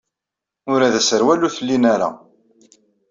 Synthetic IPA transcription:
ʊɾæðæsəɾwæluθəlːinaɾa̰

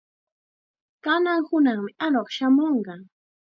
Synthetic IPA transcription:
kanaŋhʊnaŋmɪʔanoχʃamoɴɢɑ

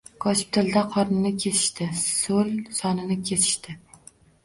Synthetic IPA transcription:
kʰɒt͡ʃɪ̥p̚t̪ʰɪld̪aqʰɒɾnɪnɪkʲʰe̞t̪ʰɪ̥ʃt̪ʰɪsɵlsɒnɪnɪkʲʰe̞t̪ʰɪ̥ʃt̪ɪ

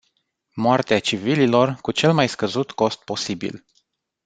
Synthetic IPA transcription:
moart̪eat͡ʃivililo̞rkut͡ʃe̞lmajskəzut̪ko̞st̪̚po̞sibḭl

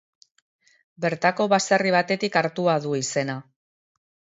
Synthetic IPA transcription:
be̞ɾt̪ako̞βasariβ̞at̪e̞t̪ikaɾt̪uaðuise̞na

